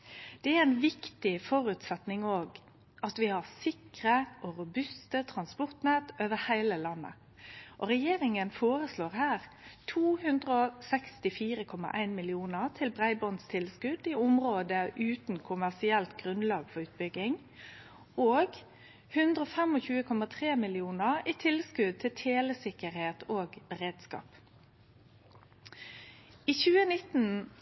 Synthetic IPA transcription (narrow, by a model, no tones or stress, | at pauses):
d̪̥ɛæɾæɪnʋɪkt̪ɪfɔɾʉːt̪sɛt̪nɪŋoːɡ | ʔɑt̪ʋɪhɑʁsɪkɾəʔɔɾʊbʉst̪ət̪ʰɾɑnspɔɾt̪næːt̪øːʋəɾhæɪləlɑnːə̰ | ʔɔɾɛjeːɾɪŋənfoːɾəsloːɾhæːʁ | t̪ʰuːhʉnd̪ɾəɔsɛkst̪ɪfiːɾəkʰɔmɑ̰ʔæɪnmɪlɪuːnəʁt̪ʰɪlbɾæɪbɔnst̪ʰɪlskʉd̪ɪʊmɾoːd̪əʔʉːt̪n̩kʰʊmæʁsɪɛlt̪ɡʁʉnlɑːɡfɔʁʉːt̪̚bʏɡɪŋ | oːɡ | hʉnd̪ʁəɔːfɛmɔçʉːəkʰɔmɑt̪ʰʁeːmɪlɪuːnəʁiːt̪ʰɪlskʉd̪̚t̪ʰɪlt̪ʰeːləsɪkəɾheːt̪ʰoːɡəɾeːd̪skɑ̰ːp | iːçʉːənɪt̪n̩